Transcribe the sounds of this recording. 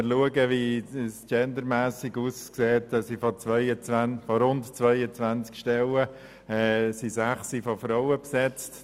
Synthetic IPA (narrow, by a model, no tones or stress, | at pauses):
ɪɾluəɡəʋist͡ʃɛndəɾmæːsiɡuːskseːtsifɔt͡sʋœʏət͡sænfɔɾʊntt͡sʋœʏət͡sʋænt͡skʃtɛlə | ɛːsisæχsifɔfɾɔʊəpsɛt͡st